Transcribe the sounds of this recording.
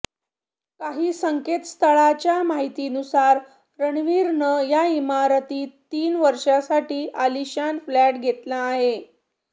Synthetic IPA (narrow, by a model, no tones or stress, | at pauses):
kaɦiːsəŋket̪st̪ʰəɭat͡ɕjamaɦit̪iːnusaɾ | ɾəɳʋiːɾnəjaimaɾt̪iːt̪iːnʋəɾʂasaʈiːʔaliɕanflæʈɡʱet̪laːɦe